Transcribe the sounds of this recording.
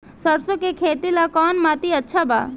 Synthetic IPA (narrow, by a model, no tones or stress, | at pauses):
səɾsokekʰet̪ilakɔnmat̪iətːʃʰaba̰